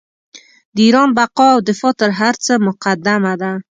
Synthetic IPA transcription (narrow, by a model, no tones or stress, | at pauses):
d̪iɾɔnbaqɔawd̪ɪfɔt̪əɾɦaɾt͡səmʊqad̪ːamad̪a